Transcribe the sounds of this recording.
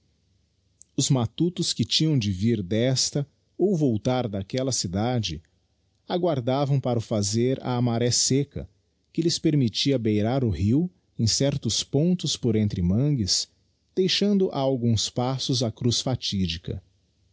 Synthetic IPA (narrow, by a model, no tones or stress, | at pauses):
ʊzmat̪ut̪ʊskɪt͡ʃĩɲɐ̃w̃d͡ʒɪviɾd̪ɛst̪ɐ | owvowt̪aɾd̪akɛlɐsid̪ad͡ʒɪ | aɡwaɾd̪avɐ̃w̃paɾɐʊfazeɾa̰ːmaɾɛsekɐ̰ | kɪlɪspeɾmit͡ʃiɐbejɾaɾʊɦiw | ẽj̃sɛɾt̪ʊspõnt̪ʊspoɾẽnt̪ɾɪmɐ̃ɡɪs | d̪̥ejʃɐ̃nd̪ʊʔaawɡũspasʊzɐkɾusfat͡ʃid͡ʒikɐ̰